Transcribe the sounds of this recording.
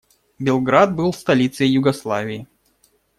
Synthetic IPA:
bʲɪlˠɡɾad̪̚bɨlˠfst̪ɐlʲit̪sɨjɪjʊɡɐslˠavʲɪɪ

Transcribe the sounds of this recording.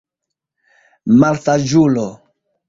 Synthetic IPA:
maltad͡ʒulo

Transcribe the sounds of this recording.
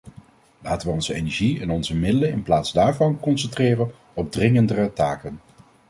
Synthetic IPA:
laːtəʋəɔnzəejnɛɹʒiɛnɔnzəmɪdələnɪnplaːtzdaːɹvɑnkɔnsɛntrɪːrən | ɔb̚drɪŋəndərətaːkən

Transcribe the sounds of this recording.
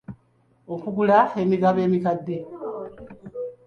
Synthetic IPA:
o̞kuɡulae̞miɡaβe̞ːmikadːe̞

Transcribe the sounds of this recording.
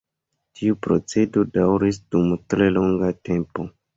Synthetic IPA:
tʰiupɾo̞t͡se̞do̞dawɾis̬dumtɾe̞lo̞ŋɡate̞mpo̞

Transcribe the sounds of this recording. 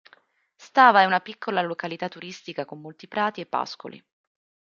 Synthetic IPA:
st̪aːvaɛunapikːolalokalit̪at̪ːuɾist̪ikakomːolt̪ipɾaːt̪iepːa̰sko̰lḭ

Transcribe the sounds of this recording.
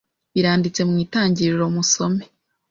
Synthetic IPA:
iɾaːndit͡se̞mŋiːtaːɲɟiɾiɾo̞muso̞me

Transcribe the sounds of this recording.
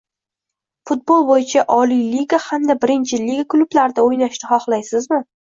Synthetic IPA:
fʊt̪̚bolˠbojɪt͡ʃʰaʔɒlˠijliɡahamd̪abɪɾɪnt͡ʃʰɪliɡakʰlˠʊblaɾd̪aojnaʃnɪχɒχlˠajsɪzmɪ

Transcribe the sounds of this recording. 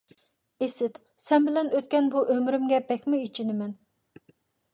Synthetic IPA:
esɪt̪ | sɛnbɪlɛnøt̪kʲɛnbuʔømɾymɡʲɛbɛkʲmuit͡ʃʰinɪmɛn

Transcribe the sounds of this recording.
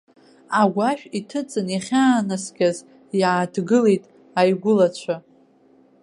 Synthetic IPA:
aɡʷaʃᶣitʰɨt͡sʼɨnaχʲaːnasɡʲaz | jadɡɨlejtʼ | ajɡʷʊlat͡ɕʷʰa

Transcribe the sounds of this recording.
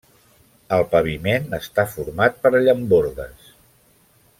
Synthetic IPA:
əlˠpəβimenəst̪afuɾmat̪̚pəɾəʎəmboɾðə̰s

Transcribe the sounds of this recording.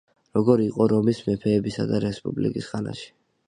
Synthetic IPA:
ɾɔɡɔɾiqʼɔɾɔmismɛpʰɛːbisa̰d̪aɾɛspʼublḭkʼisχana̰ʃi̥

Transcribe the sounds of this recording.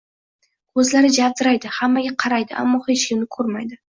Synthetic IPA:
kʰɵzlaɾɪd͡ʒavd̪ɪɾajd̪ɪhamːaɡʲaqʰɑɾajd̪ɪʔa̰mːɒhet͡ʃkʲɪmnɪkʰɵɾmajd̪ɪ

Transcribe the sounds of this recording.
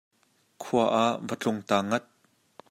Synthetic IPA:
kʰuɐʔaʔvət͡ɬʊŋt̪aːŋɐt̪̚

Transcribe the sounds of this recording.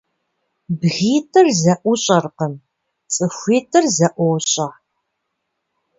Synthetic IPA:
bɣiːtʰɨrzɐʔʷʊɕʼɐrqəm | t͡sʼɨxʷiːtʰɨrzɐʔʷɔːɕʼɐ

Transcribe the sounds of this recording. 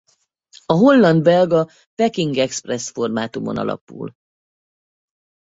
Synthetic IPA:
ɒɦo̞lːɒnd̪bɛlɡɒ | pɛkiŋɡɛksprɛsfo̞rmaːt̪umo̞̰nɒ̰lɒ̰pṵːl

